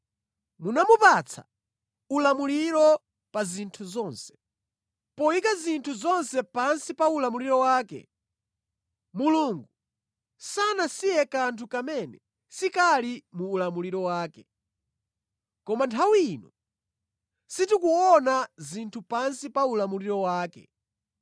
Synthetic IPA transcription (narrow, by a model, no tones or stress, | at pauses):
munamupat͡sʰa̰ | ulamuliɾɔ | pazintʰuzɔnsɛ̥ | pɔikazintʰuzɔnsɛpansipaulamuliɾɔwaːkɛ̰ | muluŋɡu | sanasijɛkantʰukamɛnɛ | sikalimuːlamuliɾɔwaːkɛ | kɔmantʰawinɔ | sitikuɔnazintʰupansipaulamuliɾɔwaːkɛ̰